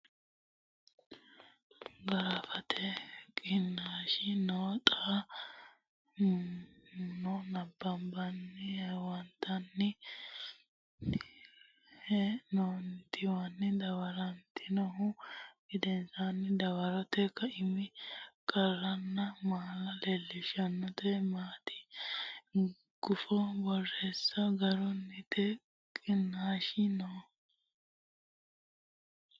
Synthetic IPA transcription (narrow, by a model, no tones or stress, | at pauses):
ɡɐɾɐfɐt̪ʰɛkʼɪnːaːʃɪnoːt̪ʼaː | nɔnɐbːɐmbɐnːɪhwɐnt̪ʰːɐnːɪ | hɛnont̪ɪwɐnːɪd̪ɐwɐɾɐnt̪ʰɪnɔɦʊɡɪd̪ɛnsanːɪd̪ɐwɐɾɔt̪ɛkːɐɪmɪkʼɐrːɐnːɐmaːlɐlelːɪʃɐnːɔt̪ɛmaːt̪ɪ̥ | ɡ̥ʊfɔbɔrːesːɐɡɐɾɔnːɪt̪ɛ | kʼɪnːaːʃɪnɔ